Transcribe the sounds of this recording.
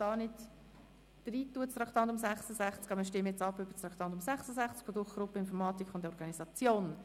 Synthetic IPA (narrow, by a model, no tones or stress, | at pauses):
ɑːnɪt | d̥riːt̪ːuət͡st̪ɾɑkʰt̪ɑndʊmsæχsəsæχt͡skɑbməʃtɪməjɛt͡sɑpːʏb̥ət͡sɾɑkt̪ɑnd̪ʊmsæχsəsæχt͡skfod̪ʊχɡ̥ɾʊpːəɪnfɔɾmɑːt̪ikʰʊndɔɾɡ̥ɑnisɑt͡sjoːn